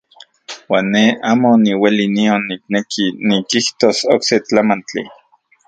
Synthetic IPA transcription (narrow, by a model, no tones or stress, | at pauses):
waːnːeaːmoniwelinionːik̚nekʰinikiht̪osokset͡ɬamant͡ɬḭ